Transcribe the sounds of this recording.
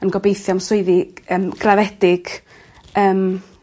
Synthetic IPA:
ənɡɔbejθjamsʊɨðiəmɡ̥ravɛd̥ɪɡ̥ | əːm

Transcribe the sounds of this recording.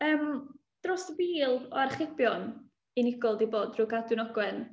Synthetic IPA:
əːm | d̥rosəviːlˠɔ̰arχɪbjɔn | inɪɡɔlˠdiboːdrʊɡadwɨnɔɡwɛn

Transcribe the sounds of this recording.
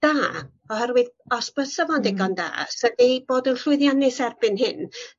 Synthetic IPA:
d̥aː | ɔhɛrwɨðɔsb̥əsəvɔndɪɡɔnda̰ːsədib̥oːdənɬʊɨðjanɪsɛrbɪnɦɪn

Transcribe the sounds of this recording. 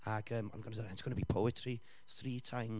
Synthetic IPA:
aɡəːmɔ̰nɡɔnədɔɛntsɡ̥ʊnəbiːpʰowɪtʰri | θriːtʰajm

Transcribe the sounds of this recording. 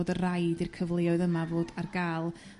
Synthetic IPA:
dərajdirkʰəvlˠɪɔɨðəmavoːdarɡaːlˠ

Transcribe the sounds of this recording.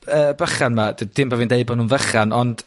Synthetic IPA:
əːbəχanmadəd̥ɪmbaviːndeɨbɔnhuːnvəχanɔnd̥

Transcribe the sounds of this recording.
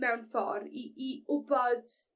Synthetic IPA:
mɛwnfɔ̰ɾiiʊbɔd̥

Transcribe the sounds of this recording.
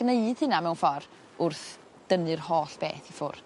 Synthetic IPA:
ɡ̥neɨd̥hɪnamɛwnfɔr | ʊrθ | d̥ənɨrhoːɬb̥ḛːθifʊr

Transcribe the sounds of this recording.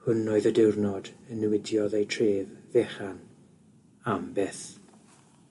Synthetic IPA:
hʊnoɨðədɪwrnɔdənəwɪdjɔðejtʰreːððeχan | ambɛθ

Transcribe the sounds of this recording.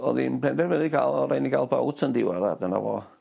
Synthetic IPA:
ɔðinpɛndɛrvɛðiɡalˠɔɾajniɡalˠbawtʰəndɪwaðadəna̰vɔ

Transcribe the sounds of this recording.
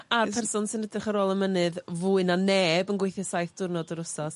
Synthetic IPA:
arpʰɛrsʊnsɨnədrɪχaɾoːlˠəmənɨðvuːɨnaneːbənɡwejθjɛsajθd̥ʊrnɔdəɾʊsɔs

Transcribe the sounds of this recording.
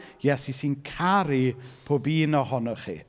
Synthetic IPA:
jɛsisinkʰaɾipʰoːbiːnɔɦɔnɔχḭː

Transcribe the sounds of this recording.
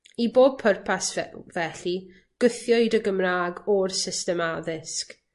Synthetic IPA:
iboːb̚pʰərpʰasvɛɬi | ɡ̥ʊθjɔɨdəɡəmraːɡɔrsɪstɛmaðɪsk

